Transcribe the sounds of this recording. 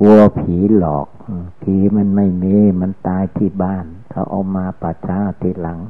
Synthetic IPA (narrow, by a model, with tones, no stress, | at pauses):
ku˧ə˧pʰiː˨˩˦lɔː˨˩k̚ɯː˧˩pʰiː˨˦ma˧˥˨nma˥˩jmeː˧˩˨ma˧˥˨nt̪aː˧jt̪ʰiː˧˥˩baː˥˩˨nkʰa˧˩wʔa̰˧˩wmaː˧paː˧˩t͡ɕʰaː˧˥t̪ʰiː˧˩la˨˦ŋ